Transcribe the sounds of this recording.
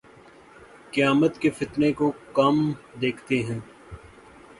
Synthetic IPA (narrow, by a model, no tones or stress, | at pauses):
kɪjaːmət̪kefɪt̪nekokamd̪eːkʰt̪eɦɛ̃ː